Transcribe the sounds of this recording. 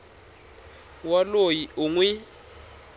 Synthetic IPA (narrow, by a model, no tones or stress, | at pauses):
walojiʔuŋwi